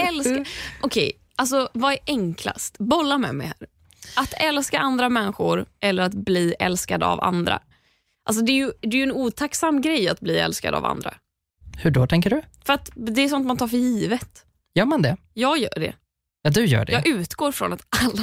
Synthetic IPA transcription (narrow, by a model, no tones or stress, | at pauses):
ɛlskʔɔkʰɛj | ʔals̬ɔvaɛɾʔɛŋkʰla̰st̪bɔlːamɛ̰mɛ̰jhɦæ̰ːɾ | ʔat̪ɛlskaʔand̪ɾamɛnːɧʊɾɛlːəɾat̪bliːʔɛlskad̪ə̰a̰va̰nd̪ɾa̰ | ʔals̬ɔd̪ɛːɾjɵd̪ɛjɵɛnuːt̪ʰaksamːɡɾɛjːat̪̚bliːɛ̰lska̰d̪əa̰va̰nd̪ɾa̰ | hɵɖot̪ʰɛŋkəɖɵfœɾat̪d̪ɛːsɔnt̪mant̪ʰɑːɾfəjiːvət̪ | jœːɾmand̪ɛjɑːɡjœ̰ːɖɛ̰ | jɑd̪ɵjœ̰ːɖɛjɑːʔʉ̟ːt̪ɡoːɾfɾɔ̰nat̪alːa